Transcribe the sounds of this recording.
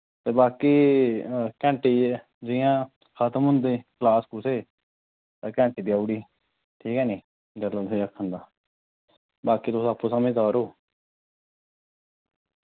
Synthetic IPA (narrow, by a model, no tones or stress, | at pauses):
t̪eːbaːkiː | kɛ̃ːɳʈiː | d͡ʒɪjãː | kʰət̪əmɦʊ̃nd̪eːkəlaːskuseː | t̪aːkɛ̃ːɳʈiːbjaːuɽiː | ʈʰiːkɛːniː | d͡ʒələeːəkʰːənd̪aː | baːkiːt̪ʊsaːpːoːsamẽːd̪aːɾoː